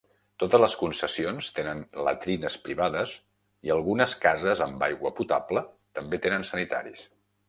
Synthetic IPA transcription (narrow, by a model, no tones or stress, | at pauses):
t̪ot̪əzləskunsəsionst̪enənlə̰t̪ɾinəspɾiβaðəs | iəlˠɣunəskazəzəmbajɣwəput̪aplə | t̪əmbet̪enənsənit̪a̰ɾḭs